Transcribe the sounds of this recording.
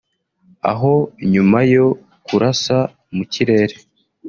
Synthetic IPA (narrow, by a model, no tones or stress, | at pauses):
a̰ɦo̞ɲumajo̞ | kuɾasa | muciɾe̞ːɾe